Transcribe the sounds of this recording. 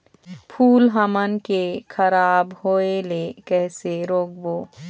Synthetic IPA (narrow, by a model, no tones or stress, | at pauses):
pʰuːlɦəmənkekʰəɾaːbɦoelekɛɦseɾoːk̚boː